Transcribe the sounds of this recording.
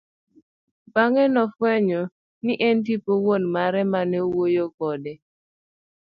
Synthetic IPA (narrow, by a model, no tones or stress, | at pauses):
baŋɛnɔfwɛɲɔ | niʔɛntipowonmaɾɛmanɛwojokɔdɛ